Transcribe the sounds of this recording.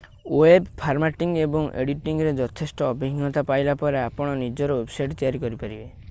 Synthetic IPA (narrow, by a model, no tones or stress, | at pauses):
ebpʰaɾmaʈiŋɡebɔŋḛɽiʈiŋɾed͡ʒɔt̪ʰesʈɔːbʱiɦiŋɡɔt̪apajlapɔɾeapɔɽ̃ɔnid͡ʒɔɾɔwebsajʈt̪ijaɾikɔɾipaɾibe